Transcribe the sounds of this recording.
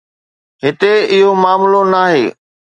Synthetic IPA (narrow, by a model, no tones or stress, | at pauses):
ɦɪt̪eɪɦomaːmlonaːɦeː